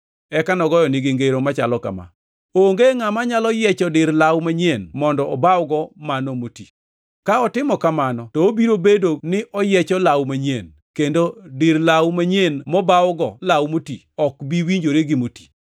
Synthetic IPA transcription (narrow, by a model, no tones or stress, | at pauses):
ɛkanɔɡɔjɔnɪɡeŋɡeɾomat͡ʃalɔka̰ma̰ | oŋɡeŋamaɲalɔjɛt͡ʃɔdɪɾlawmaɲenmɔndɔʔɔbawɡɔmanomoti | kaɔtɪmɔkamanɔtɔobiɾobedonɪʔɔjɛt͡ʃɔlawmaɲen | kendodɪɾlawmaɲenmɔbawɡɔlawmoti | ɔkbiwiɲd͡ʒoɾeɡɪmoti̥